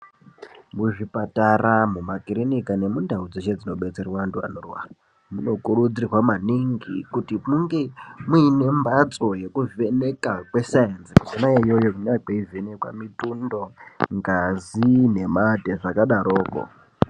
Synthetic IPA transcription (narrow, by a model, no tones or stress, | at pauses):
muʐipataramumakirinikane̞mundʱaud͡zet͡ʃed͡zino̞ɓe̞t͡se̞rwandua̰norwa̰ | muno̞kurud͡zirwamaniŋɡḭkutimuŋɡe̞muine̞mbat͡so̞je̞kuvene̞kakwe̞sajenskusinajaijojokuneakeivenekwa̰mitundo̞ŋɡazine̞madʱeʐakaɗaɾʔo̞ːko̰